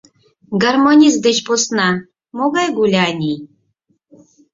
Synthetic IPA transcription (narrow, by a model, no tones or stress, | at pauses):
ɡarmonʲis̬d̪et͡ɕposnɑ | moɣɑjɡulʲɑːnʲi